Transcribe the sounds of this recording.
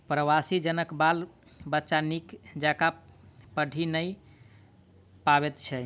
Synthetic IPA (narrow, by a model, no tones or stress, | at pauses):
pɾəwasid͡ʒənəkbal | bətːʃanikd͡ʒakapəɖʱinəj | paβet̪t͡ʃʰɛ